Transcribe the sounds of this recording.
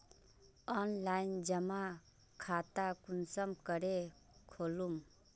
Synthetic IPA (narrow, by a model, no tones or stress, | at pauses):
ɔnlaind͡ʒəma | kʰat̪akunsəmkəɾe | kʰolum